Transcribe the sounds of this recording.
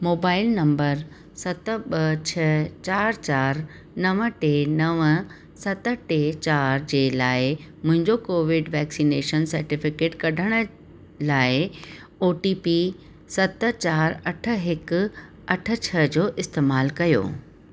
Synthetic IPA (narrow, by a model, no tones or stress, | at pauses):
moːbaːɪlnɐ̃mbəɾ | sɐt̪ə̆ɓɐt͡ɕʰɐt͡ɕaːɾt͡ɕaːɾ | nɐʋə̆ʈeːnɐʋə | sɐt̪ə̆ʈet͡ɕaːɾd͡ʑeːlaːɪmʊ̃ɦɪ̃ɲd͡ʑokoːʋɪɖʋɛːksineːʃənsɐɾʈɪfɪkeːʈkɐɖʱəɽ̃ə̆ | laːɪ | oːʈiːpi | sɐt̪̆t͡ɕaːɾɐʈʰə̆ɦɪkʊ | ɐʈʰə̆t͡ɕʰɐd͡ʑoːʔɪst̪eːmaːlkɐjo̰ː